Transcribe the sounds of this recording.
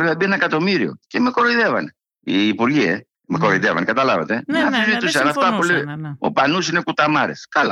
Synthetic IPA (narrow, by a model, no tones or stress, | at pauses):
ɾeɐbienɐekɐt̪o̞miɾio̞̰cemeko̞ɾoiðe̞vɐn | iːpuɾʝie | meko̞ɾoiðevɐ̰nkɐt̪ɐlɐvet̪e̞ɐfizit̪usɐnɐft̪ɐpuleo̞̰pɐnusine̞kut̪ɐmɐɾeskɐla